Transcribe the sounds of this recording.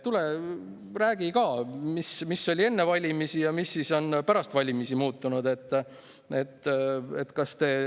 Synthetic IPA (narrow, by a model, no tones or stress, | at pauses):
t̪ulɛ | ræːɡ̥ikɑːmismisːo̞lʲie̞nːe̞vɑlʲimisijɑmisːiso̞npæɾɑst̪vɑlʲimisimuːt̪ˑːunud̪e̞t̪ːˑ | e̞t̪ːe̞̰t̪kɑst̪e̞